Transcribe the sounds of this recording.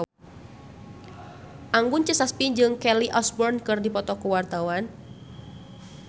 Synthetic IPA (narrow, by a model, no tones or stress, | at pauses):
ʔaŋɡʊnt͡ʃəsaspiɲd͡ʒɨŋkɛliʔɔsbɔrnkɨrdipɔt̪ɔkuwart̪awan